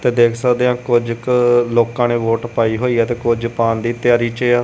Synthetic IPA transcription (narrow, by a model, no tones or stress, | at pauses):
t̪eːd̪eːkʰsəkd̪eːãːkʊd͡ʒkloːkãːneːʋoːʈpaːiːɦoːiːɛːt̪eːkʊd͡ʒpaːnd̪iːt̪jaːɾiːt͡ʃeaː